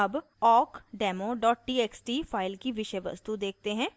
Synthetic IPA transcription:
ɐb | ɔːkɖɛːmoɖɔːʈ̚ʈiːeːksʈiːpʰaːɪlkiʋɪʃəjʋə̰st̪ud̪eːk̚t̪eɦɛ̃ː

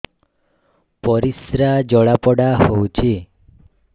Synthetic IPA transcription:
pɔɾisɾad͡ʒɔɭapɔɽaɦowt͡ʃʰi

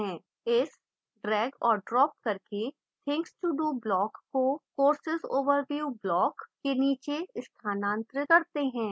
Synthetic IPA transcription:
ɛ̃ː | ɪs | ɖɾɛːɡɔːɾɖɾɔːp̚kɐɾke | t̪ʰɪ̃ŋksʈuɖuːblɔːkːokoːɾsɪzoːʋəɾʋjublɔːkːeniːt͡ʃeɪst̪ʰaːnãːnt̪ɾəkɐɾt̪eɦɛ̃ː

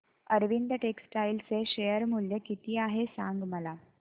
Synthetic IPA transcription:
əɾʋind̪əʈeksʈajlt͡seɕejəɾmuljəkit̪iːaɦesãŋɡməla

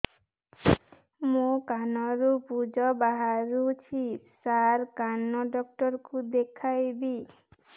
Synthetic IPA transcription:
mokanɔɾupud͡ʒɔbaɦaɾut͡ʃʰisaɾkanɔɖɔkʈɔɾkud̪ekʰajbi

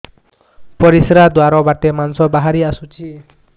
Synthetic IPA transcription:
pɔɾisɾad̪waɾɔbat̪emansɔbaɦaɾiasut͡sʰi

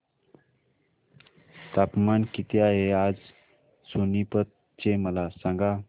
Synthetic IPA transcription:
t̪apmankit̪jaead͡z | sunipət̪̚ | t͡ɕeməlasãŋɡa

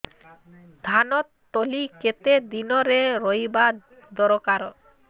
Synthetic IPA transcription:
d̪ʱanɔt̪ː | oliket̪ed̪inɔɾeɾojba | d̪ɔɾokaɾɔ

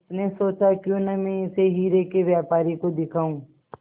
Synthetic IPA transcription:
t̪nesoːt͡ʃakjõnɛmɛ̃ɪseɦiːɾekeʋjaːpaːɾikod̪ɪkʰaːũː

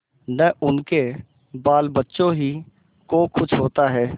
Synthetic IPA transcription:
nəʔʊnke | baːlbətːʃõɦi | kokʰʊt͡ʃʰɦoːt̪aɦɛː

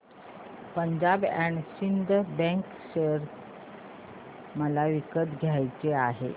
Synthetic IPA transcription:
pəɲd͡ʑabɛ̃ɳɕind̪ʱbɛ̃ŋk | ɕəɾ | məlaʋikət̪ɡʱjajt͡seaɦḛ

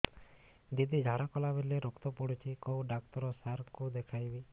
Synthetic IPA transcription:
d̪id̪id͡ʒʱaɽakɔlabeleɾukt̪ɔpɔɽut͡ʃʰikowɖak̚t̪ɔɾɔsaɾkud̪ekʰajbi

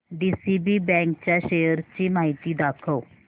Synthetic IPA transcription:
ɖiːsiːbiːbɛ̃ːŋkt͡ʃaːʃeːjəɾt͡ʃiːmaːɦit̪iːd̪aːkʰoː

